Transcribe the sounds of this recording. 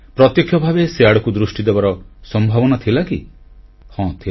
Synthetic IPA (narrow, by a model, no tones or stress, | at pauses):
pɾɔt̪jɔkʰjɔbʱabeseaɽɔkud̪ɾusʈid̪ebaɾɔsɔmbʱabɔnat̪ʰilaki | hɔ̃t̪ʰi